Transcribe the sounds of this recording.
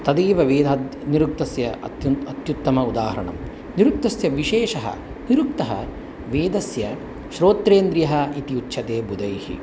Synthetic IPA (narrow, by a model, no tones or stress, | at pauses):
t̪ɐd̪iːʋɐʋeːd̪ɐniɾuk̚t̪ɐsjɐ̰uɐt̪jut̪ːɐmɐud̪aːɦɐɾɐ̰ɳɐ̰m | niɾuk̚t̪ɐsjɐʋiʃeːʃɐɦɐ̰ | niɾuk̚t̪ɐɦɐ̰ | ʋeːd̪ɐsjɐ | ʃɾoːt̪ɾeːnd̪ɾijɐɦɐit̪iutːʃʰɐt̪eːbud̪ɐjhḭ